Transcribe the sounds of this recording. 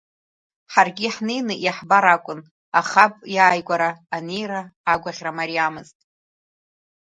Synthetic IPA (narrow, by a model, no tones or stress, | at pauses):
ħarɡʲiħnejnɨʔiħbaɾakʷʼʊn | aχapʼjaːjɡʷʼaɾaːne̞jraːɡʷaʁʲramaɾiamɨztʼ